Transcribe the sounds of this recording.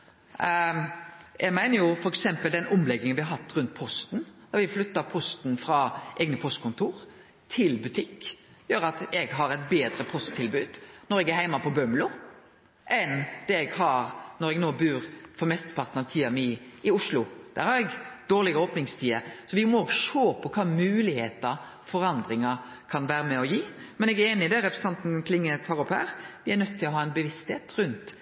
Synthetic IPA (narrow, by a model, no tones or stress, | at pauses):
jʔɛɪmæɪnəɾjʊfɔɾɛksɛmpəld̪ɛnʊmlɛɡːɪŋənʋɪhɑɾɦɑt̪ːɾʉnt̪̚pʰɔst̪nd̪̥ɔɾʋɪflʏt̪ːəpʰɔst̪nfɾɑʔɛːɡnəpʰɔst̪̚kʰʊnt̪ʰuːɾ | t̪ʰɪlbʉt̪ʰɪkːjøːɾɑt̪ɛɡɦɑɾɛt̪beːd̪ɾəpʰɔst̪ʰːɪlbʉːd̪nɔɾɛɡæɾɦæɪmɑpʰɔbœmlʊ | ʔɛnd̪̥ɛɛɡhɑɾnɔɾɛɡnoːbʉːɾfɔɾmɛst̪ə̥pʰɑʁt̪nəɑt̪ʰiːɑmɪɪʊʂlʊd̪̥æ̰ːɾhɑɾɛɡd̪̥oːɾlɪɡəoːpnɪŋst̪ʰiːəsɔʋɪmɔoːɡʂoːpʰɔkʰɑːmʉːlɪheːt̪ɑ | fɔɾɑnd̪ɾɪŋɑ | kʰɑnʋæːɾəmɛɔjiːmɛnɛɡæɾeːnɪd̪ɛɾɛpɾəsə̥n̩ɑnt̪n̩kʰlɪŋːət̪ʰɑːɾɔphæ̰ːɾʋɪænœt̪ʰːɪlɔɦɑːɛnbəʋɪst̪heːt̪ɾʉnt̪